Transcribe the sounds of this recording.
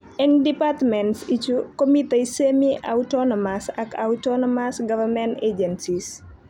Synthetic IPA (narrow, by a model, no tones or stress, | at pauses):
ɛŋdipatmɛnsit͡ʃukomit̪eisemiʔa̰utɔnɔmasakawtɔnɔmasɡavamɛnted͡ʒɛnsis